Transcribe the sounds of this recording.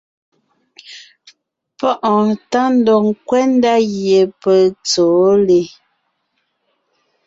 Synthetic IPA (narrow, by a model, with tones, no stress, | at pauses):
pɔ˦ʔɔ˨ta˦n̩˦dɔ˨ŋ˦kwɛ˦n̩˦da˦ɣje˨pə˦˨t͡soː˨˦le˨